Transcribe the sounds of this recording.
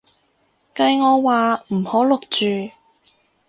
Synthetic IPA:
kɐ˧jŋɔː˨˧waː˨˧m̩˨˩hoː˨˥lʊ˨k̚t͡ʃyː˨

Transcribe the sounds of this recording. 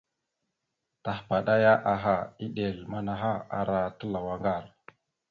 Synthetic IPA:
ta˨xpa˨ɗa˦ja˦ʔa˨ɦa˨i˦ɗe˨lma˦na˨ɦa˦a̰˦ɾa˦tə˦la˨wa˦ŋɡa˦˨ɾ

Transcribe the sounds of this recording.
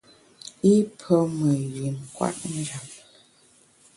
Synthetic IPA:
i˦pʰə˦mə˨ɥi˨m˨kwa̰˦t̚n̩˦d͡ʒa˨p̚

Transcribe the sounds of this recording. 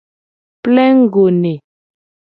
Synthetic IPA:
plɛ˦ŋ̩˦ɡo˨ne˨

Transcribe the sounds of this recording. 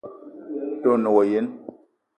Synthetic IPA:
to˦˨no˨wɔ˨je˦n

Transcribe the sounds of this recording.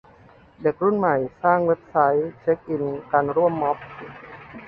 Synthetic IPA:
de˨˩k̚ɾu˥˩nma˨˩jsaː˥˩ŋwe˦˥p̚sa˦˥jt͡ɕʰe˦˥k̚ʔi˧nkaː˧nɾu˥˩əmːɔ˦˥p̚

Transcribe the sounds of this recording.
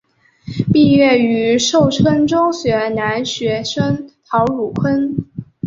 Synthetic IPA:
pi˥˧ɥɛ˥˩y˧˥ʂo˥˩ʊʈ͡ʂʰə˥ŋʈ͡ʂʊ˥ŋɕɥɛ˧˥na˧˥nɕɥɛ˧˥ʂə˥ŋt̪ʰɑ˧˥ʊɻu˨˩kʰwə˥n

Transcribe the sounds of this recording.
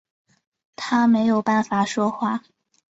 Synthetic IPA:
t̪ʰa˥me˧˥ɪjo˨˩ʊpa˥˩nfa˨˩ʂwɔ˥xwa˥˩

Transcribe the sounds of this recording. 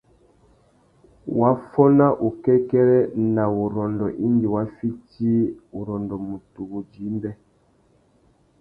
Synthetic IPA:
wa˦fɔ˦na˦ʔu˨kɛ˦kɛ˦ɾɛ˦na˨u˨ɾɔ˨ndɔ˨ʔi˦ndi˨wa˦fi˦ti˦u˨ɾɔ˨ndɔ˨mu˨tu˨wu˨d͡ʒi˨˦mbɛ˦

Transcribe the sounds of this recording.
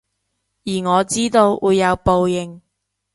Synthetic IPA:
jiː˨˩ŋɔː˨˧t͡siː˥t̪o˧wʔuː˨˧jːɐ˨˧wpo˨˧wjɪ˨ŋ

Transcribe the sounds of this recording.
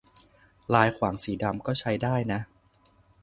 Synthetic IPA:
laː˧jkʰwaː˩˦ŋsiː˩˦da˧mkɔː˥˩t͡ɕʰa˦˥jdaː˥˩jna˦˥ʔ

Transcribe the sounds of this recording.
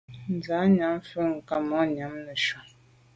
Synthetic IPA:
n˨˦za˨˦ɲa˨˦m˦fə˦ŋ̩˨ka˨mɔ˨˦ɲa˨˦mnə˨ʃɔ˨

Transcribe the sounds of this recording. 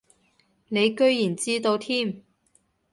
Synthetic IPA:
ne˨˧jkɵ˥ɥjiː˨˩nt͡siː˥t̪o˧wt̪ʰiː˥m

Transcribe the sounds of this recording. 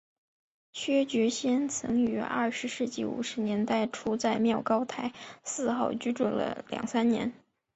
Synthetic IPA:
t͡ɕʰɥɛ˥t͡ɕɥɛ˧˥ɕjɛ˥nt͡sʰɤ̰˧˥ŋy˧˥ʔɐ̰˞˥˩ʂɻ̩˧˥ʂɻ̩˥˧t͡ɕḭ˥˩ṵ˨˩ʂɻ̩˧˥njɛ˧˥nt̪a˥˩ɪʈ͡ʂʰu˥t͡sa˥˧ɪmjɑ˥˩ʊkɑ˥ʊt̪ʰa˧˥ɪsɹ̩˥˧xɑ˥˩ʊt͡ɕy˥ʈ͡ʂwu˥˩nlə̰˩ljɑ̰˨˩ŋsa˥nnjɛ̰˧˥n

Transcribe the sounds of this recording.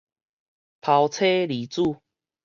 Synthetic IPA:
pʰa˨˧wt͡sʰe˦li˨˦t͡su˥˧˨

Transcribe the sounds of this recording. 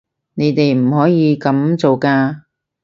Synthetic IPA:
ne˨˧jt̪e˨jm̩˨˩hɔː˨˥jiː˨˧kɐ˨˥mt͡so˨wkaː˧

